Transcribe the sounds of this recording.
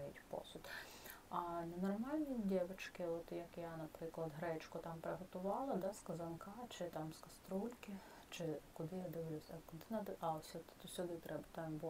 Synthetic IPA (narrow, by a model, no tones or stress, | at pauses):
ʋʲitʲpɔ̰sʲʊd̪ | ɐnɐnɔrmɑlʲnʲid̪ʲɛʋɪt͡ʃkɪɔt̪jɐkjanɐpɾɪklˠɐd̪ɦɾɛt͡ʃkʊt̪ɑmpɾeɦɔt̪ʊʋɑlˠɪd̪ɑskɐzɐnkɑt͡ʃɪt̪ɑmskɐst̪ɾulʲkɪ | t͡ʃɪkʊd̪ɪjad̪ɪʋlʲusʲɐkʊd̪ɪnɐd̪ɪkɑlˠsʲɐt̪t̪ɔsʲʊd̪ɪt̪ɾɛbɐt̪ɑmb